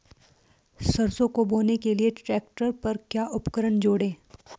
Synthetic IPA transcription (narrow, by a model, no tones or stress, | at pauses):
sɐɾsõkoboːnekelieʈɾɛːk̚ʈəɾpɐɾkjaːʔʊpkəɾəɳd͡ʒoːɽẽː